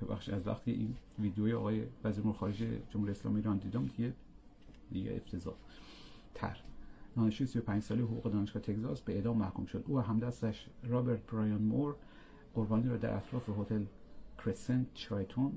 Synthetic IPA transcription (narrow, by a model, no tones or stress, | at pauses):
bebæ̰xʃiæzvæ̰xt̪ʰiḛʔinviːd̪ejojeɒːɣɒːjevæziɾouɾexɒːɾed͡ʒejḛd͡ʒomhuɾijeslɒ̰miːɾɒnd̪iːd̪emut̪ʰeje | d̪iɟḛḛft̪ʰezɒ̰ː | t̪ʰæ̰ɾd̪ɒːneʃijsijo̞pʰæɲd͡ʒsɒːlejeɦoɣuːɣe̞d̪ɒːneʃɡɒːht̪ʰekzɒːsbeed̪ɒːmːæhkʰumʃo̞d̪uːæɦæmd̪æst̪æʃɾɒːbeɾt̪̚bɾɑjɑnmoɾ | ɢ̥oɾbɒːniːɾɒːd̪æ̰ɾʔæt̪ʰɾɒːfeɦot̪ʰelkʰɾesent͡ʃɾɑjt̪ʰon